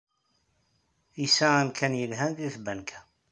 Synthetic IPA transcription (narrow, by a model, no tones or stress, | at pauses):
isæænkʰænjəlɦænðiθbænkʰæ̥